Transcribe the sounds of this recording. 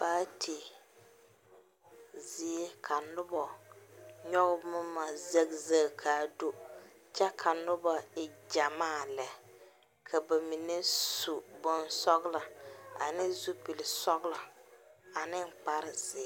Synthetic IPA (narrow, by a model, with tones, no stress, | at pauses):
baː˦tʰe˨ | zɪ˦e˦kʰa˨nʊ˦bɔ˨ | ɲɔ˦ɣmʊ˦ma˨ze˦ɡza˦˨kʰa˨do˦ | t͡ʃɛ˦kʰa˨nʊ˦bɔ˨ɪ˨d͡ʒa˨maː˦˨lɛ˨ | kʰa˨ba˨mi˨ne˦su˨bʊ˦nsɔ˦ɡla˨a̰˨nɪ˦zu˦pi˨lɪ˨sɔ˦ɡla˨ | a˨nɪ˦ŋ̩˨k͡pa˦ɾɪ˨zɪ˨˦